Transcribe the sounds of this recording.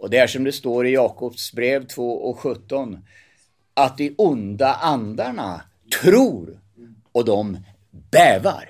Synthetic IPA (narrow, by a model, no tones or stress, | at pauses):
ɔd̪ɛæʂɔmd̪ɛst̪oːɾɪjɑːkʰɔpsbɾeːvt̪ʰvoːʔɔkɧɵt̪ːɔn | at̪̚d̪ɪʔʊnd̪aʔand̪aɳa̰ | t̪ʰɾuːɾ | ɔd̪ɔm | b̥ɛːva̰ɾ